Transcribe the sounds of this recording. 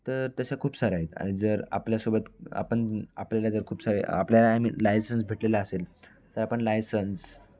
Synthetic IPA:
t̪əɾt̪əɕakʰuːpsaɾaɦet̪a̰ɽ̃id͡zəɾa̰pljasobət̪a̰pəɳa̰pljalad͡zəɾkʰuːpsaɾaa̰pljalaamḭlajsəns̬bʱeʈlelaəsel | t̪əɾapəɳlajsəns

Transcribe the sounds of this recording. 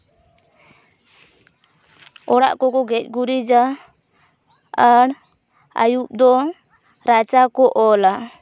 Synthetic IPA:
ɔɽa̰ʔkɔkɔɡɛc̚ˀɡuɾid͡ʒa | ɽ | a̰jup̚d̪ɔ | ɾat͡ʃakɔʔɔla

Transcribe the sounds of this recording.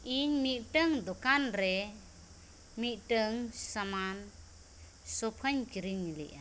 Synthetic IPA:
iɲmiʔ̚ʈəŋd̪ɔkanɾɛ | miʔʈəŋsaman | sɔpʰaɲkiɾiɲilḭʔa

